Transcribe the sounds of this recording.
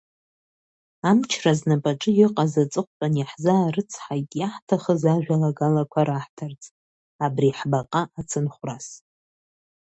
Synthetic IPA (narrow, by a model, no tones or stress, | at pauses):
amt͡ʃʰraznapʼaʈ͡ʂʼɨjɪqʼazat͡sʼɨqʷʼpʷʼanaħzaːrɨt͡sʰħakʲʼjaħtʰaχəzaʒᶣʷalaɡalakʷʰaɾaħtʰart͡sʼ | abriħbaqʼaʔat͡sʰɨnχʷras